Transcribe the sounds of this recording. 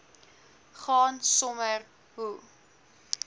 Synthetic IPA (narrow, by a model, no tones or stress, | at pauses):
χɑːnsɔmər | ɦu